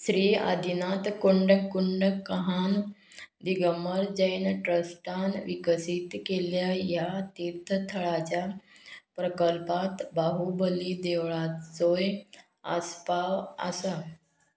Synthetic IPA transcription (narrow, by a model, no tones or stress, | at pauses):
sɾiːa̰d̪ʱinat̪kuɳɖəkuɳɖəkəɦand̪iɡəməɾd͡ʑəjnʈɾəsʈanʋikəsit̪keljajat̪iɾt̪ʰːət̪ʰəɭat͡ɕjapɾəkəlpat̪baɦubəlid̪eʋɭat͡soj | a̰spaʋə̰sa